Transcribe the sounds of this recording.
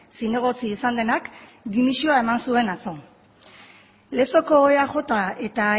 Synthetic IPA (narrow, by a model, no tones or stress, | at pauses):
sine̞ɣ̞o̞t͡siːsand̪e̞nakd̪imisio̞ae̞mansue̞nat͡so̞ | le̞so̞ko̞eaʝo̞t̪ae̞t̪a